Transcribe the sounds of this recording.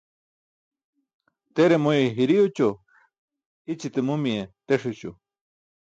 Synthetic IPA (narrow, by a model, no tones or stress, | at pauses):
t̪eɾemojeɦiɾiut͡ɕo | it͡ɕit̪ɨmumiet̪eʂit͡ɕo̰